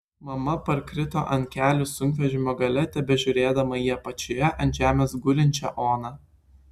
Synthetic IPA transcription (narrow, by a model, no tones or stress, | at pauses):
mɐmɐpɐɾkɾʲɪt̪o̰ːʔɐnʲkʲæːlʲʊsʊŋʲkʲʋʲɛʒʲɪmʲoːɡɐlʲɛt̪ʲɛbʲɛʒʲʊɾʲeːd̪ɐmɐjiɛpɐt͡ʃʲʊjɛʔɐnʲʒʲæːmʲeːsɡʊlʲɪnʲt͡ʃʲɛ̰ʔoːnɑː